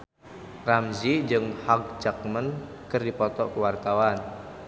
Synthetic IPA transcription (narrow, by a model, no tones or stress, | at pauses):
ramzid͡ʒɨŋhaɡ̚d͡ʒak̚mən | kɨrdipɔt̪ɔkuwart̪awan